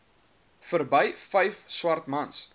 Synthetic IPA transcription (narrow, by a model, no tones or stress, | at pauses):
fərbəjfɛjfswɐrt̪mɐns